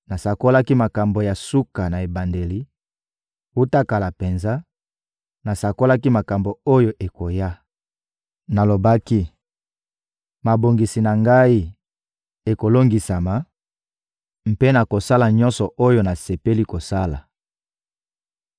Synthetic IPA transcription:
na˨sa˨ko˦la˦ki˦ma˨ka˨mbo˨ja˨su˦ka˨na˨e˨ba˨nde˨li˦ | wu˦ta˦ka˨la˨pe˨nza˦ | na˨sa˨ko˦la˦ki˦ma˨ka˨mbo˨o˦jo˨ʔe˨ko˨ja˦ | na˨lo˨ba˦ki˦ | ma˨bo˨ŋɡi˨si˨na˨ŋɡa˦i˦ | e˨ko˨lo˦ŋɡi˨sa˨ma˨ | m̩˨pe˦na˨ko˨sa˦la˨ɲɔ˦nsɔ˨ʔo˦jo˦na˨se˨pe˦li˦ko˨sa˦la˨

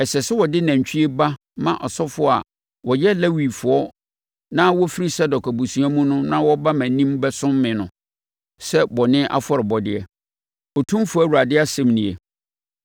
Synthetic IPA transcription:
ɛ˨ɕɛ˨sɛ˦wɔ˨dɪ˦næ̃˨ɲ˨t͡ɕᶣi˦e˦ba˦ | mã˦ʔɔ˨sɔ˦fʊ˦˨a̰˨ | wɔ˨jɛ˦lɛ˦wi˨fʊ˨ɔ˦ | nã˦wɔ˦fi˦ɾi˦sɛ˦dɔ˨kæ˨bu˨sũ˨ã˦mũ˦nʊ̃˦nã˦wɔ˦ba˦mã˨˦nĩ˦mbɛ˦sʊ̃˦mːɪ̃˨nʊ̃˨ | sɛ˦bɔ˨nɪ̃˦ʔa̰˦fɔ˦ɾɪ˨bɔ˨dɪ˦ɛ˨ | ɔ˨tʰũ˦fʊ˦æ˦˨wu˨ɾa˨dɪ˦a˦sɛ̃˦mnĩ˨ḛ˨

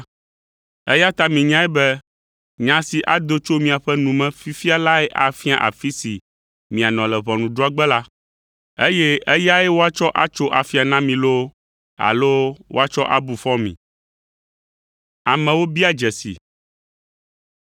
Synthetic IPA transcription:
ɛ˦ja˦t̪a˦mĩ˨ɲã˦ɛ˦bɛ˦ | ɲã˨si˨ʔa˨d̪o˦t͡ʃo˦mĩ˨a˨ɸɛ˦nũ˨mɛ̃˦fi˦fi˦a˦la˦ɛ˦ʔa˨fi˦a̰˨ʔa̰˨fi˦si˨ | mĩ˨a˨nɔ̃˨lɛ˨βɔ˨nũ˨ɖo˦a˦ɡ͡bɛ˦la˦ | e˦jɛ˦ɛ˦ja˦ɛ˦wo˦a˦t͡ʃɔ˦ʔa˦t͡ʃo˦ʔa˨fi˦a˨nã˦mĩ˨lo˦ | a̰˨lo˦wo̰˦a˦t͡ʃɔ˦ʔa̰˦bu˨fɔ˦mḭ̃˨ | a˨mɛ̃˨wo˦bi˦a˦d͡ʒɛ˨sḭ˨

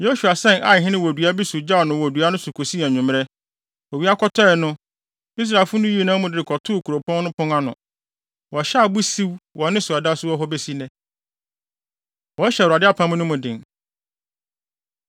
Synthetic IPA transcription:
jo˦su˨a˨sɛ̃˦nʔa˨ɪ˨ɦɪ̃˦nɪ̃˦wo˨dɥa˦bi˦su˨d͡ʑa˦ɔ˨nʊ̃˨wɔ˨du˨˦a˦nʊ̃˦sʊ˨kʰo˨si˦˨a˨ɲũ˨m˦ɾɛ˦ | ɔ˨wi˦a˦kʰɔ˦tʰɔ˦ɛ˨nʊ̃˦ | i˦s̬ɾa˨ɪ˨fʊ˦nʊ̃˦ji˦˨nãː˦mʊ̃˨dɪ˦ɾɪ˨kʰɔ˨tʰʊː˦˨kʰu˨ɾo˨pʰɔ̃˦n˦nʊ̃˦pʰʊ̃˦ŋa˦nʊ̰̃˨ | wɔ˨ɕɛ˦a˨bu˦si˦wwɔ˨nɪ̃˦sʊ˨a˨da˦sʊ˦wɔ˦ɦɔ˦be˦si˦nɛ̃˨ | wɔ˨˦ɕɛ˨ɾa˨dɪ˦a˦pʰã˨˦m̃˦nʊ̃˦mʊ̃˨dɪ̰̃˨n

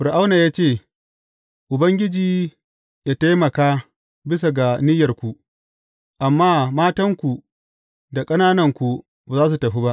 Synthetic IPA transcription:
ɸʊ˨ɾʔa˦wnaː˨jaː˦t͡ʃeː˦˨ | ʔʊ˨bɐ˦ŋɡʲɪ˦d͡ʒiː˨ | jaː˦ta˦jmɐ˨kaː˦ | bɪ˦s̬a˨ɡa˨nɪ˦jɐ˨rkʷu˨ʔ | ʔa˨mːaː˦maː˦tɐ˦ŋkʷu˨ | da˨kʼɐ˦naː˦nɐ˦ŋkʷu˨ | baː˨zaː˦s̬u˨tɐ˨ɸi˦ba˦ʔ

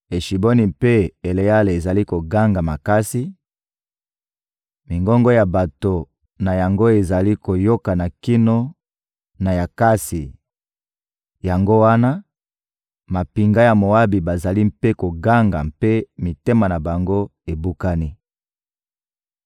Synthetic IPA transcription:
e˨ʃi˨bo˦ni˨pe˦e˨le˨ja˦le˨e˨za˨li˦ko˨ɡa˦ŋɡa˨ma˨ka˦si˦ | mi˨ŋɡɔ˦ŋɡɔ˦ja˨ba˨to˨ | na˨ja˨ŋɡo˦e˨za˨li˦ko˨jo˦ka˨na˨ki˦no˦ | na˨ja˨ka˦si˨ | ja˨ŋɡo˦wa˦na˦ | ma˨pi˨ŋɡa˦ja˨mo˨a˦bi˨ba˨za˨li˦mpe˦ko˨ɡa˦ŋɡa̰˨mpe˦mi˨te˦ma˨na˨ba˨ŋɡo˦e˨bu˦ka˦ni˦

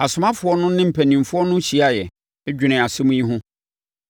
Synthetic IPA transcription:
a˨sʊ˨mã˦fʊ˨˦ɔ˦nʊ̃˦nɪ̃˦m̩˨pʰæ˨nĩ˨mfʊ˦ɔ˦nʊ̃˦ɕi˨a˦jɛ˨˦ | d͡ʑᶣɪ˨nɪ̃˨a˨sɪ˦mʊ̃˦ji˦ɦʊ̃˦

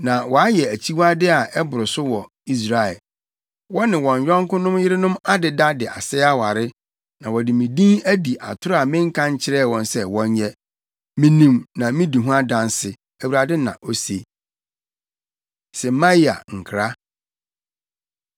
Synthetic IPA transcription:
nã˨wɔ˨a˦jɛ˨æ˨t͡ɕʰi˦wa˦dɪ˦a˨ɛ˦bʊ˨ɾʊ˨sʊ˦wɔ˨ | i˦s̬ɾa˨ɛ˨ | wɔ˦nɪ̃˨wɔ̃˨ɲᶣ˨ɔ̃˦ŋ˦kʊ̃˦nʊ̃˦mjɪ˦ɾɪ˦nʊ̃˦ma˦dɪ˨da˦dɪ˨ʔa̰˨sɛ˦a˦wa˨ɾɪ˦ | nã˨wɔ˨dɪ˨mĩ˨dĩ˦næ˦di˨ʔa̰˨tʰʊ˦ɾʊ˦a˨mɪ̃˦ŋ̩˦kʰã˦ɲ˦t͡ɕʰɪ˦ɾɛ˦˨wɔ̃˨nsɛ˦wɔ̃˦ɲ˦ɲɛ˦ | mĩ˦nĩ˦˨mnã˨mĩ˦di˨ɦũ˦a˦dã˨nsɪ˨ | æ˨wu˨ɾa˨dɪ˦nã̰˨ʔo˦se˨ | sɛ˨˦mã˦ji˦a̰˨ŋ̩˨kʰɾa˦

